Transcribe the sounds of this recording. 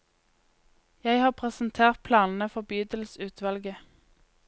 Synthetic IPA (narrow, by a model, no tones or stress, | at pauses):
jæɪhɑːpʰʁɛsn̩t̪ʰeːʁt̪̚pʰlɑːnn̩əfɔʁbyːd̪əl̩sʉːt̪ʰʋɑlɡə